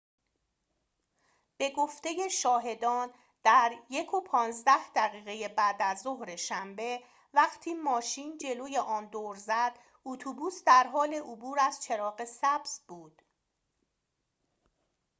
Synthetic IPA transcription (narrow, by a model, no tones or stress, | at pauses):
b̥e̞ɡoft̪e̞je̞ʃɒːɦe̞d̪ɒːn | d̪̥æɾje̞kʰopʰɒːnzd̪æhd̪̥æɣiːɣe̞je̞bæːd̪æzːoɦɾe̞ʃæmbe̞ | væχt̪ʰiːmɒːʃiːnd͡ʒe̞loːje̞ʔɒːnd̪oːɾzæd̪̥ | ut̪ʰubuːsd̪æɾɦɒːle̞ʔobuːɾæz̥t͡ʃʰe̞ɾɒːɣe̞sæbz̥buːd̪̥